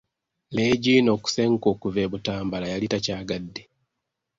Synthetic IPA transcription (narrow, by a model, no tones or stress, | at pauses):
leːɟino̞ːku̥seŋkoːkuveβutaːmbalajalitacaːɡadːe